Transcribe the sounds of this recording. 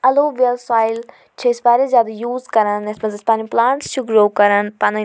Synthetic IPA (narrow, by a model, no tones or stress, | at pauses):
ɐloːʋiəlsaːɪl | t͡ʃʰespaːɾezʲjaːd̪ajuːzkɐɾənɐsmɐzɪspaːniplãːɳʈsʃʊkɾoːkɐɾənpanɐ